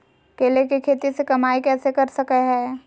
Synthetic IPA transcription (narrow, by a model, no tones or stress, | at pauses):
keːlekekʰeːt̪isekɐmaːikɛːsekɐɾsɐkeɦɛː